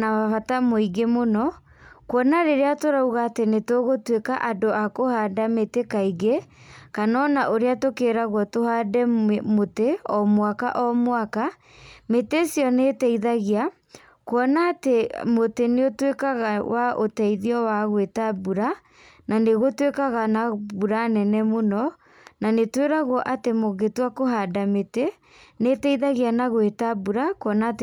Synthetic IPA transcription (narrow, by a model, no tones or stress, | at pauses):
naaβatamoiɡemonɔ | kwɔnaɾeɾeatoɾauɣaːtenetoɣotwekaʔadoʔakohadametekaiɡekanɔnaʔoɾeatokeɾaɣwɔtohadɛmoteɔmwaka̰ʔɔmwaka | metesjɔnetɛiðaɣia | kwɔnaːtemoteneotwekaɣawʔaʔo̰tɛiðiɔwaɣwetabuɾa | naneɣotwekaɣanabuɾanɛnɛmonɔ | nanetweɾaɣwɔʔatemoɣetwakoɦadamete | netɛiðaɣianaɣwetabuɾakwɔnat